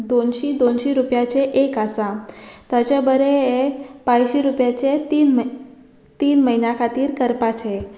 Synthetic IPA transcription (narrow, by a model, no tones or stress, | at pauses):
d̪onɕid̪onʃiɾupjat͡ɕʰeʔekasãt̪ət͡ɕabəɾeepãjɕiɾupjat͡ɕet̪in | t̪iːnməɦinjakʰat̪iːɾkəɾpat͡ɕʰe